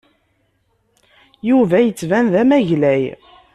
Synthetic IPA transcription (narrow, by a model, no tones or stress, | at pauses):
juvæjət͡sːvænðæmæʝlæj